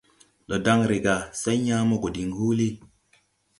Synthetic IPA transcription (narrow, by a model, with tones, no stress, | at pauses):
ɗɔ˨da˦ŋɾe˨ɡa˨sa˦jɲaː˦mo˦ko˨di˨ŋhu˦li˦